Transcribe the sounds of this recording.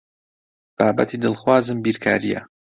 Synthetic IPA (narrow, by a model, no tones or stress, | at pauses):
b̥aːbɐt̪ʰiːd̪ɨlˠxwaːzɨmbiːɾkʰaːɾijɐ̰